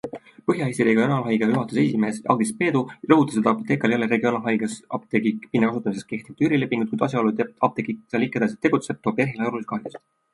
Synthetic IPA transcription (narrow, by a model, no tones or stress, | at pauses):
pɤɦjɑest̪iɾeːɡɑjonɑlɦɑjɡɑyɦɑt̪usesime̞ːsɑ̰ɡispe̞ːd̪̥urɤɦut̪ːˑɑsed̪ɑɑpot̪ːeːkːˑɑljɑlːeɾe̞ɡionɑlɦɑjɡ̥ɑsɑp̚t̪ekikpinːekɑsut̪ːˑɑmisesk̚ke̞ht̪iv̥̚t̪yɾile̞pːiŋɡut̪̚kujd̪ɑs̬jɑoluɑp̚t̪ekisɑlikːˑed̪̥ɑs̬et̪ːe̞ɡ̥ut̪se̞b̥̚t̪oːberɦilɑoɾuiskɑhd̪is